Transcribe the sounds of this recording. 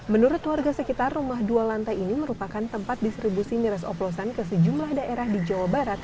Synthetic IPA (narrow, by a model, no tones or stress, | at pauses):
mənuɾʊt̪lwarɡasəkit̪arːumaɦdualant̪ainiməɾupakant̪əmpat̪̚dist̪ɾibusimiɾɛsɔ̰plosankəsəd͡ʒumlahdaʔeɾahdid͡ʒawabaɾat̪̚